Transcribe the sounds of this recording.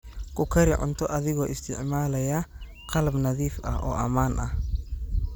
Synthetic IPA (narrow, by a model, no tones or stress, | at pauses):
kʰʊkʰɐɾɪʕʊ̰nt̪ʰɔʔɐðɪɣɔːʔɪst̪ʰɪ̰ʕmaːlɐjɐ | qɑlɐbnɐðiːfʔɐ̰hʔɔ̰ːʔɐmaːnʔɐh